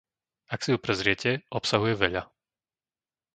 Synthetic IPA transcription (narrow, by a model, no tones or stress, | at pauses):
aksijupɾɛzɾɪɛcɛʔɔpsaɦujɛʋɛʎa